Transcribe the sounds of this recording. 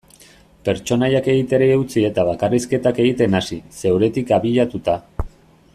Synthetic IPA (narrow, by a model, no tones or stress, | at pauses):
pe̞ɾt͡ʃo̞najake̞ɣit̪e̞ɾeeut͡sie̞t̪aβakariske̞t̪ake̞ɣit̪e̞nasise̞wɾe̞t̪ikaβiʎat̪ut̪a